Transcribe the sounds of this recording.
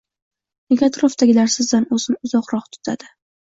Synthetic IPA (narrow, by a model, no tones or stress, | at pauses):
neɡʲat̪ʰɾoft̪aɡʲɪlaɾsɪzd̪anɵzɪnʊzɒqɾɒχt̪ʰʊ̥t̪ʰa̰d̪̥ɪ